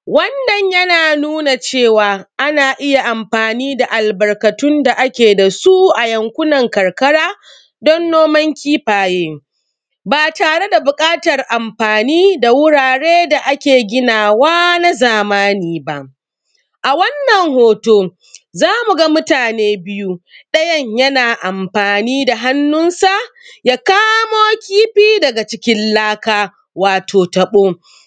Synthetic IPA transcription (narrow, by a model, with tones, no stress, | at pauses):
wɐ˦nːɐ˨ɲjɐ˦naː˨nuː˦na˨t͡ʃeː˦˨waː˨ʔa˦naː˨ʔɪ˦ja˨ʔa˨mɸaː˨niː˦da˨ʔa˨lbɐ˨rkɐ˨tʊ˦nda˨ʔa˦kʲeː˨da˨su˦ʔa˨jɐ˨ŋkʷʊ˦nɐ˨ŋkɐ˨rkɐ˦ɽaː˦ | dɔ˦nːoː˦mɐ˦ŋkʲiː˦ɸaː˨jeː˦ | baː˨taː˨ɽe˦da˨bʊ˨kʼaː˦tɐ˨rʔa˨mɸaː˨niː˦da˨wʊ˦ɽaː˨ɽeː˦da˨ʔa˦kʲeː˨ɡʲɪ˦naː˨waː˦na˦zaː˨maː˦niː˨ba˦ʔ | ʔa˨wɐ˦nːɐ˨ŋhoː˨toː˦ | zaː˦mu˨ɡa˦mʊ˦taː˨neː˦bɪ˦ju˦ɗɐ˦jɐ˦ɲjɐ˦naː˨ʔa˨mɸaː˨niː˦da˨ɦa˦nːʊ˦nsa˦˨jaː˦kaː˦moː˦kʲiː˦ɸiː˦dɐ˨ɡa˨t͡ʃɪ˦kʲɪ˦nlaː˦kaː˦ | waː˨tʰoː˨tɐ˨ɓoː˦